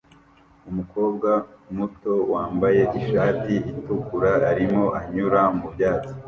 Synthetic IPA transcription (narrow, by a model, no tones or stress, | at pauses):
umuko̞ːbɡamuto̞waːmbaje̞ʔiʃaːtiitukuɾaːɾimo̞ʔaɲuɾamubjaːt͡si̥